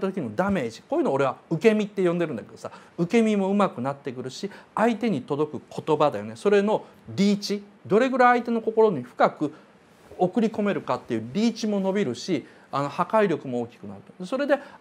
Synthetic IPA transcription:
t̪at̪okʲiɲimod̪ame̞ːʑi̥koːjɯ̟ːnoːɾe̞βaɯ̟ke̞mʲit̪ːe̞jõ̞nd̪e̞ɾɯ̟̃nd̪ake̞d̪o̞saɯ̟ke̞mʲimo̞ɯ̟makɯ̟nat̪ːe̞kɯ̟ɾɯ̟ɕiait̪e̞ɲ̟it̪o̞d̪o̞kɯ̟kʰo̞t̪o̞bad̪ajo̞ne̞so̞ɾe̞no̞ | ɾʲiːt͡ɕi | d̪o̞ɾe̞ɡɯ̟ɾaiait̪e̞no̞ko̞ko̞ɾo̞ɲ̟iɸɯ̟̥kakɯ̟ | o̞kɯ̟ɾʲiko̞me̞ɾɯ̟kat̪ːe̞jɯ̟ːɾʲiːt͡ɕimo̞no̞bʲiɾɯ̟ɕi | ano̞hakaiɾʲo̞kɯ̟mo̞oːkʲi̥kɯ̟na̰ɾɯt̪od̪eso̞ɾe̞d̪e̞

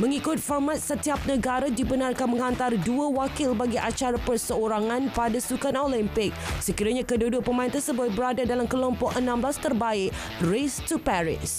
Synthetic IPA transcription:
mə̃ŋikʊt̪̚fɔrmat̪̚sət̪iap̚nəɡaɾadibənarkanmə̃ŋãnt̪arduawakɪlbaɡiʔat͡ʃaɾapərsəoɾaŋãnpadasukanolimpɪk̚səkiɾaɲãkədudʊʔ̚pəmãɪnt̪ərsəbʊt̪̚bəɾadadalamkəlɔmpɔʔənãmblast̪ərbaɪʔ | rest̪upɛɾɪ̰s

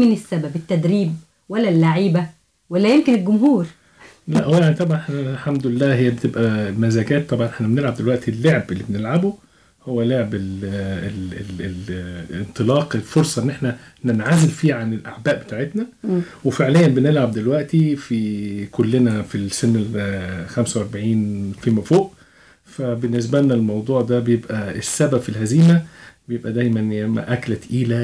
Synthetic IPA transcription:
mɪnesːæbæbɪt̪ːæd̪ɾiːb̚ | wælːælːaʕiːbæ | wælːæjemkɪnelɡʊmɦuːɾ | læʔhowjaʕnit̪ˤɑbʕɑnʔeħnælħamd̪ʊlɪlːæːɦejːæbet̪ebʔæmæzæːɡæːt̪ːɑbʕɑnʔeħnæbenelʕab̚d̪elwæʔt̪ilːoʕebelːibenelʕabo | howːæloʕebelel | nt̪ˤɨlɑːqelfoɾsˤɑʔenːʔeħnænenʕazelfiːʕanelʔaʕbæːʔbe̥t̪aːʕet̪næwefeʕlejːæmbenelʕab̚d̪elwæʔt̪ifikolːenæfisenːelxæmsæwʔɑɾˤbaʕiːnfimæfoːʔ | fæbenːes̬bænːælmɑwd̪ˤuːʕd̪æbejebʔæesːæbæbfilɦæziːmæbejebʔæd̪æjmænmæ̰ʔæklæt̪ʔiːlæ

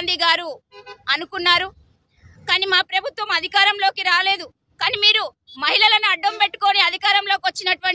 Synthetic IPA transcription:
nd̪iɡaːɾuɐnukunːaːɾu | kaːniːmaːpɾɐbʱut̪ʋɐmɐd̪ʱikaːɾɐmlo̞ːkiɾaːle̞ːd̪u | kaːniːmiːɾu | mɐɦilɐlɐnuɐɖːɐmpe̞ʈːu̥ko̞ːniɐd̪ʱikaːɾɐmlo̞ːkiʋɐt͡ʃːinɐʈuʋɐɳ

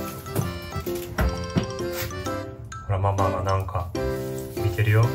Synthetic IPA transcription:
aɾamamaɡanãŋka | mʲit̪e̞ɾɯ̟jo

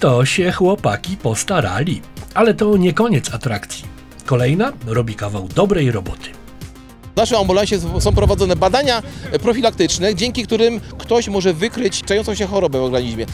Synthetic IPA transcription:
t̪ɔɕɛxwɔpakʲipɔst̪aɾa̰lʲialɛt̪ɔɲɛkɔɲɛt̪sat̪ɾakt̪sʲji | kɔlɛjnaɾɔbʲikavawd̪ɔbɾɛjɾɔbɔt̪ʰɘ̥ | naʂɛmambulãɕɛsɔ̃w̃pɾɔvad̪zɔnɛbad̪aɲapɾɔfʲilak̚t̪ɘt͡ʂnɛd͡ʑɛŋkʲikt̪uɾɘmkt̪ɔɕmɔʐɛvɘkɾɘt͡ɕt͡ʂajɔnt̪sɔ̃ɕ̬ɛxɔɾɔbɛvɔɡɡaɲiʑmʲjɛ

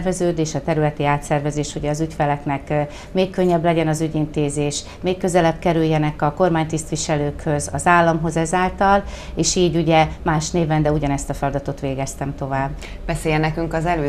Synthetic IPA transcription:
rvɛzøːd̪eːʃɒt̪ɛɾylɛt̪iaːt̪sɛrvɛzeːʃuɟɛːzycfɛlɛknɛk | meːkkøɲːɛblɛɟɛnɒzyɟint̪eːzeːʃ | meːkkːø̞zɛlɛbkɛɾyjːɛnɛkɒko̞rmaːɲt̪ist̪ʋiʃɛløːkhø̞zɒzaːlːɒmɦo̞zɛzaːlt̪ɒleːʃiːɟuɟɛmaːʃneːvɛnd̪ɛuɟɒnɛst̪ɒfɛlɒd̪ɒt̪o̞t̪ʋeːɡɛst̪ɛmt̪o̞vaːbː | b̥ɛseːjɛnɛkyŋkɒzɛløː

